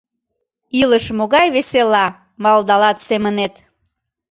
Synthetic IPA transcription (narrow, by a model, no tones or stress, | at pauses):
iləʃmoɣɑjβeselɑ | mɑld̪ɑlɑt̪semənet̪